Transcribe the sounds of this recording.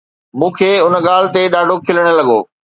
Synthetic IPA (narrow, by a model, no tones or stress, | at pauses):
mũːkʰeːʊnəɠaːl̤ɪ̆t̪eɗaːɖʱokʰɪləɽ̃ə̆lɐɠo̰ː